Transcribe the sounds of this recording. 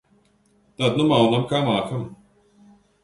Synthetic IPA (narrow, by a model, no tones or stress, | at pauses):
t̪at̪̚numawnamkʰamaːkʰam